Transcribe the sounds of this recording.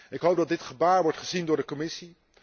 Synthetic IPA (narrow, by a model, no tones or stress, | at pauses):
ɪkɦowp̚dɑt̚dɪtχəbaːɹʋɔɹtχəzindʊːɹdəkomɪsi